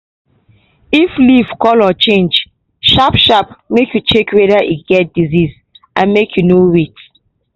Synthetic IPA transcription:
iflivkɔlɔt͡ʃẽnd͡ʒ | ʃapʃap̚mekjut͡ʃekɹedaʔiɡɛt̚diziz | ʔãnmekʰjunoɹit

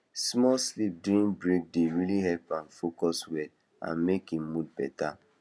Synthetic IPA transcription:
smɔlslip̚duĩnbɹek̚deɹiliɦɛlpãnfokɔswɛd | ã̰nmekĩmmudbɛta

